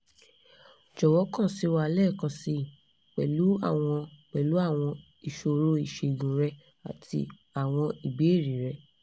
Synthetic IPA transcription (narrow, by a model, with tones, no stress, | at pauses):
d͡ʒɔ˨wɔ˨˦kã˦˨si˨˦wa˧lɛ˦˨kɔ̃˧si˧˦˨ | k͡pɛ˨lu˨˦a̰˦˨w̃ɔ̃˧k͡pɛ˨lu˨˦a˦˨w̃ɔ̃˧ | i˨ʃo˧ɾo˧˦i˦˨ʃe˧˨ɡũ˨ɾɛ˧ | a̰˨tḭ˧ | a˨w̃ɔ̃˧i˨bi˨˦e˦˨ɾi˨ɾɛ˧